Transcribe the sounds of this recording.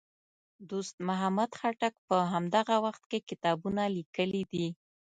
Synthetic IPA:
d̪ost̪mʊɦamad̪xaʈak̚pəɦamd̪aɣawaxt̪kekɪt̪ɑbunalikəlid̪i

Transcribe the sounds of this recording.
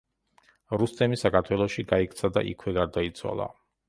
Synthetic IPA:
ɾust̪sʰɛmisakʰaɾt̪ʰwɛlˠɔʃiɡaikʰt̪sʰad̪a̰ʔḭkʰwɛɡaɾd̪ait̪sʰwa̰lˠa̰

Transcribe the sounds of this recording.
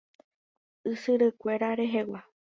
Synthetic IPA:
ɨsɨɾɨkʷe̞ɾaɾe̞ɦe̞wa

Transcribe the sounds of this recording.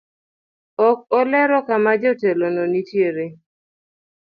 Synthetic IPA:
ɔk̚ɔlɛɾɔkamad͡ʒɔtelɔnɔnitjeɾe

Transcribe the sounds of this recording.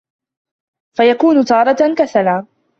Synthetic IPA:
fajakuːnʊt̪ɑːɾˤɑt̪kaθalaː

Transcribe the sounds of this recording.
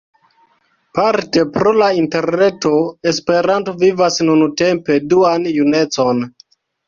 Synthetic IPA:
paɾte̞pɾo̞lainte̞ɾne̞to̞e̞spe̞ɾanto̞vivasnunute̞mpe̞duanjune̞t͡so̞n

